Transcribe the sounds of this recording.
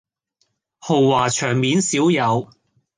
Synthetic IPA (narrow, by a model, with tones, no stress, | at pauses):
ho˨˩wːaː˨˩t͡ʃʰœː˨˩ŋmiː˨nsiː˨˥wjɐ˨˧w